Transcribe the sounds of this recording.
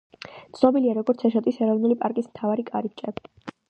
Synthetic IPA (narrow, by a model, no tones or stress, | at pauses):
t̪sʰnɔbiliaɾɔɡɔɾt̪sʰɛʃɔt̪ʼisɛɾɔvnulipʼaɾkʼismt̪ʰavaɾikʼaɾip̚t͡ʃʼɛbi